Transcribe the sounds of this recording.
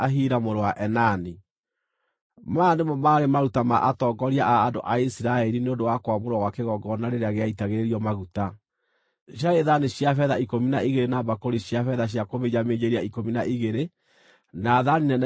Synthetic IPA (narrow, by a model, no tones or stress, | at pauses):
aɦiːɾamoɾoaʔɛnani | maːnemɔmaːɾemaɾutama̰ʔatɔɡɔɾiaʔaːdo̰ʔaisiɾaɛɾineondowakwamoɾwawakeɣɔɡɔnaɾeɾeaɣeaitaɣeɾeɾiɔmaɣuta | ɕ̬jaeðaneɕjafɛðaikominaʔiɣeɾenabakoɾiɕjafɛðaɕ̬jakomed͡ʒameɲeɾiaikominaʔiɣeɾe | naðaninɛn